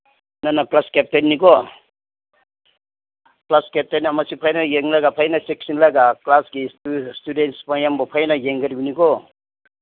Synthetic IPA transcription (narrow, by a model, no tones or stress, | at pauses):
nanaklaskep̚tenːikɔ | klaskep̚tenamasipʰajnajeŋlaɡapʰajnasek̚sinlaɡaklasɡistudentspajambɔpʰajnajeŋɡaɾibiniɡɔ